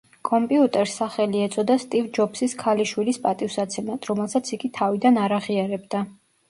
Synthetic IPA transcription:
kʼɔmpʼiut̪ʼɛɾsːaχɛliɛt̪sʰʼɔd̪ast̪ʼivd͡ʒɔpsiskʰaliʃwilispʼat̪ʼivsat̪sʰɛmat̪ʰɾɔmɛlˠsat̪sʰiɡit̪ʰavid̪anaɾaʁiaɾɛbd̪a

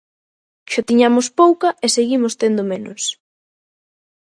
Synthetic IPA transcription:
ʃot̪iɲamʊspowkɐʔeseɣimost̪end̪omenʊ̰s

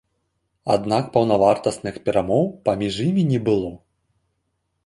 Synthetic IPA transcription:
a̰d̪nakpɐwnavart̪ɐsnɨxpʲɛɾamɔwpamʲiʐjimʲinʲɛbɨlˠɔ

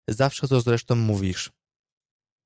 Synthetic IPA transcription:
zafʂɛt̪ɔzɾɛʂt̪ɔ̃w̃muvʲiʂ

